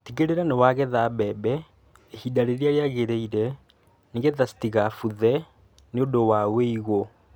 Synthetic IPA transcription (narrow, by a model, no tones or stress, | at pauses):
tiɣeɾeɾanewaɣeðabɛbɛ | ehidaɾeɾeaɾeaɣeɾeiɾɛ | neɣeðastiɣafuðɛ | neodowaweiɣo